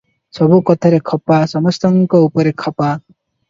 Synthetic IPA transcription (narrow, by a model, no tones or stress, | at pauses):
sɔbukɔt̪ʰaɾekʰɔpasɔmɔst̪ɔŋkɔupɔɾekʰɔpa